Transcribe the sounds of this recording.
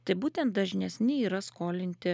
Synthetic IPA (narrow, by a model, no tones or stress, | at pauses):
t̪ɐɪbuːt̪ʲɛnt̪̚d̪ɐʒʲnʲɛsʲnʲɪiːɾɐskoːlʲɪnʲt̪ʲɪ